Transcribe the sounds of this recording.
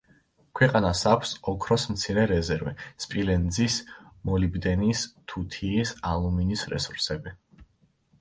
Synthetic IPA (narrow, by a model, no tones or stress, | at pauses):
kʰwɛqʼanasakʰʷsɔkʰɾɔsmt̪sʰiɾɛɾɛzɛɾvɛ̰spʼilɛnd̪zismɔlibd̪ɛnist̪ʰut̪ʰiːsalˠuminisɾɛ̰suɾsɛbi